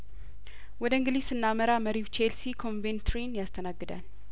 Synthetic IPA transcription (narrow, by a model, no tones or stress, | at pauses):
wɔd̪əɨŋɡɨlisɨnːaməɾaməɾiwt͡ʃʰelsikʰo̞nvent̪ʰɾinjast̪ʰənaɡːɨd̪a̰l